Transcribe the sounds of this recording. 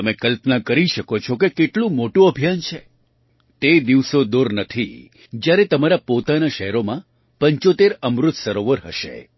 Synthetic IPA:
əmekəlpnakəɾiʃəkot͡ʃʰokekeʈlũmoʈũəbʱijant͡ʃʰe | t̪ed̪iʋsod̪oɾnət̪ʰi | d͡ʒjaɾet̪əmaɾapot̪anaʃəɦɛɾomã | pəɲt͡ʃot̪eɾəmɾʊt̪səɾoʋəɾɦəʃḛ

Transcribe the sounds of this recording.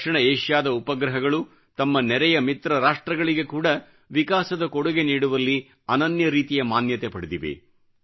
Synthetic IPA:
ʂɐɳɐeːʃjaːd̪ɐupɐɡɾɐɦɐɡɐɭu | t̪ɐmːɐnɛɾɛjɐmit̪ɾɐɾaːʂʈɾɐɡɐɭiɡe̞kuːɽɐ | ʋikaːsɐd̪ɐkɔɽuɡe̞niːɽuʋɐlːi | ɐnɐnjɐɾiːt̪ijɐmaːnjɐt̪epɐɽid̪iʋḛ

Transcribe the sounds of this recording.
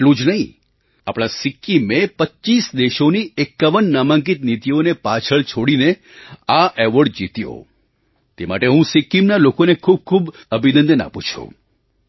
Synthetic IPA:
eʈlũd͡ʒnəɦĩ | a̰pɽ̃asɪkːimepətːt͡ʃisd̪eʃoniekːaʋənːamãŋkit̪nit̪ionepat͡ʃʰəɭt͡ʃʰoɽine | aʔeʋəɖd͡ʒit̪jo̰ | t̪ema̰ʈeɦũsikːimnalokonekʰub̚kʰub | əbʱinə̃nd̪əna̰put͡ʃʰṵ̃

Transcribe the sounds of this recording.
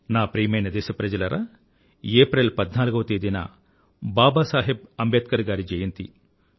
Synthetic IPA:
naːpɾiːmɐjnɐd̪ɛːʃɐpɾɐd͡ʒɐlɐɾʔɐ̰ | eːpɾelpɐd̪naːluɡɐʋɐt̪eːd̪inɐ̰ | baːbaːsaːɦib̚ɐmbet̪̚kɐɾɡaːɾid͡ʒɐjɐnt̪ḭ

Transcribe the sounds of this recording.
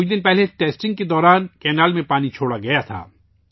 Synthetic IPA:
ʊt͡ʃʰd̪ɪnpɛɦleʈeːsʈɪ̃ŋɡ̚ked̪ɔːɾaːnkɛːnaːlmẽpaːnit͡ʃʰoːɽaɡɐjat̪ʰa̰ː

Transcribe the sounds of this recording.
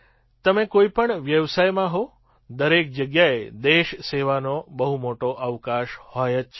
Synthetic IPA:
t̪əmẽkoipəɳʋjəʋsajmãɦo | d̪əɾek̚d͡ʒəɡjaed̪eʃseʋanobəɦumoʈoʔəʋkaʃhojət͡ʃʰ

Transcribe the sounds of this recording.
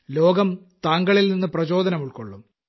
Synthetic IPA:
lo̞ːɡɐm | t̪aːŋɡɐɭilninːɨprɐt͡ɕo̞ːd̪ʱɐnɐmuɭkoɭːum

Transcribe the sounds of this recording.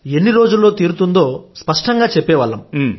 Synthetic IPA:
e̞nːiɾo̞ːd͡ʒulːo̞ːt̪iːɾut̪und̪o̞ːspɐʂʈɐŋɡaːt͡ʃɛpːɛːʋɐːlːɐm

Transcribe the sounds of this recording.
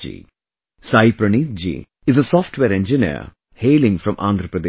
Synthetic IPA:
ḭ | saɪpɾəniːt̪̚d͡ʒḭ | ɪzəsɔːfʈʰwʋeːɾɛ̃nd͡ʒɪnḭːɾ | heːlɪ̃ŋfɾʌ̃mʔã̰nd̪ɾəpɾəd̪e

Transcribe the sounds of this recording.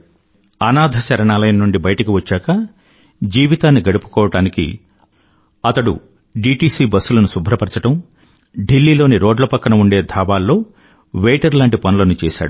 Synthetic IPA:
ɐnaːd̪ʱɐsɐɾɐɳaːlɐjnɐnuɳɖibɐjɐʈɐkiʋɐt͡ʃːaːkɐ | d͡ʒiːʋit̪aːnːiɡɐɽupu̥kɔːʋɐɽaːnikḭ | ɐt̪ɐɽṵ | ɖiːʈiːsiːbɐsːulɐnusubʱɾɐpɐɾt͡ʃɐʈɐm | ɖilːiːlo̞ːniɾoːɖlɐpɐkːɐnɐuɳɖe̞ːd̪ʱaːbaːlːo̞ː | ʋeːʈɐɾlaːɳʈipɐnulɐnut͡ʃɛːʃa̰ːɽu

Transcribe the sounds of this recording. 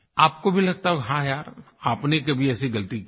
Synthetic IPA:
aːp̚kobʱilɐɡ̚t̪aɦoɦãjaːɾ | aːpnekebʱiɛːsiɡɐlt̪ik

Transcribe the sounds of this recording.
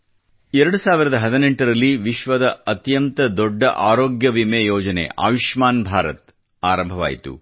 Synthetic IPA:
ɛɾɐɽusaːʋiɾɐd̪ɐɦɐd̪ineɳʈɐɾɐlːiʋiʃʋɐd̪ɐɐt̪jɐnt̪ɐd̪ɔɖːɐ̰ʔaːɾoːɡjɐʋimejɔːd͡ʒɐnḛʔa̰ːʋiʃmaːnbʱaːɾɐ̰t̪̚ | aːɾɐmbʱɐʋa̰ːjit̪ṵ

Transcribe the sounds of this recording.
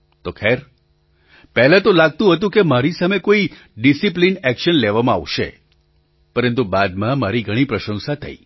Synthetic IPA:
t̪okʰɛɾ | pɛɦlãt̪olaɡ̚t̪ũɦət̪ũkemaɾisamekoi | ɖisiplinɛkʃənleʋamãa̰ʋʃḛ | pəɾənt̪ubad̪mãmaɾiɡʱəɽ̃ipɾəʃə̃ŋsat̪ʰə̰i

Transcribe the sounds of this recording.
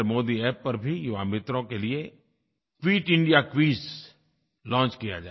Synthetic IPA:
ɾmoːd̪iɛːpːɐɾbʱijʊʋa̰ːmɪt̪ɾõkelie | kʋiːʈɪ̃ɳɖijakʋiːz | lɔ̃ːt͡ʃkija̰d͡ʒa̰ː

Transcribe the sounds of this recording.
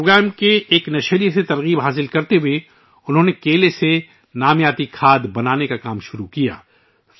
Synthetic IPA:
oːɡɾɛːmkeeːknɐʃəɾijset̪ɐɾɣiːbɦaːs̬ɪlkɐɾt̪eɦʊe | ʊnɦõːnekeːlese | naːmjaːt̪ikʰaːd̪bɐnaːnekakaːmʃʊɾukija̰ː

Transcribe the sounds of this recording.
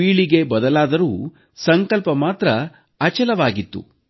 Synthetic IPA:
iːɭiɡe̞bɐd̪ɐlaːd̪ɐɾuː | sɐŋkɐlpɐmaːt̪ɾɐ | ɐt͡ʃɐlɐʋaːɡit̪ːṵ

